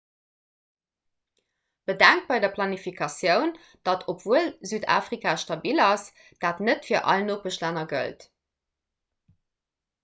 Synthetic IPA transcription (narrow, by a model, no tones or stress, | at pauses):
b̥ədæŋk̚t̚b̥ɑɪdɐpʰlɑnifikʰɑsjəʊn | d̥ɑtʰopv̥uəlzyːda̰ːfʁikʰaːʃtɑbilɑs | d̥aːtnətfiːɐʔɑ̰lənoːk̚bəʃlænɐɡə̰lt